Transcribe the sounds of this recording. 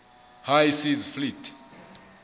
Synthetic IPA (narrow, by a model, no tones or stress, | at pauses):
hajsizflitʰ